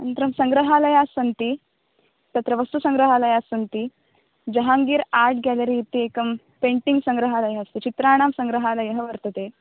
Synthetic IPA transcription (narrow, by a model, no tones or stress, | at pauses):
ənt̪ɾəmsəŋɡɾəɦaləjasənt̪i | t̪ət̪ɾəʋəst̪usəŋɡɾəɦalajasənt̪i | d͡ʑəɦaŋɡiːɾaɾʈ̚ɡɛləɾiːt̪iekəm | peɳʈiŋɡsə̃ŋɡɾəɦaləjəst̪et͡ɕit̪ɾaɽ̃amsə̃ŋɡɾəɦalajəɦəʋəɾt̪ət̪e